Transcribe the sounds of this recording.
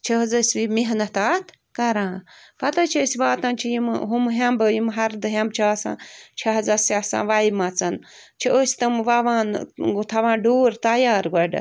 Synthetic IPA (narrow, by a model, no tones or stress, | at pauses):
t͡ʃʰɐɦɐzɐsʲʋimiɦnɐt̪at̪ʰ | kɐɾãːfɐt̪ɐt͡ʃʰisiʋaːt̪ɐnt͡ʃʰijimɦumɦɐmbɨjimɦɐɾd̪ɨɦɐmbt͡ʃʰaːsã̰ːt͡ʃʰɐɦɐzɐsʲasa̰ːʋajmɐt͡sɐn | t͡ʃʰioːsʲt̪ɐmʋaʋaːnt̪ʰɐʋãːnɖoːɾt̪ɐjaːɾɡɐɖɐ̰